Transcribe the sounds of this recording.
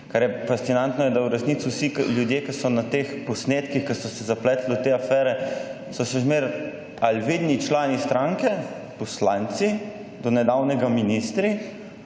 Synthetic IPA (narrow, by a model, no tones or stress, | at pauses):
kaɾjɛfast̪inant̪nɔjɛd̪awɾɛsnit̪siwsikljud̪jeːkasɔnat̪expɔsneːt̪kixkasɔsɛzaplɛt̪ld̪ɔt̪eafɛːɾɛ | sɔʃɛzmeːɾ | alʋid̪nit͡ʃlaːnist̪ɾaŋkɛ | pɔslant̪si | d̪ɔnɛd̪awnɛɡaminist̪ɾi